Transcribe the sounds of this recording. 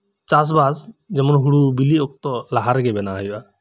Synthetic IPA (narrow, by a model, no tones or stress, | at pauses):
t͡ʃas̬basd͡ʒɛmɔnɦuɽubiliɔk̚t̪ɔlaɦaɾɡɛbɛnaɦajuʔa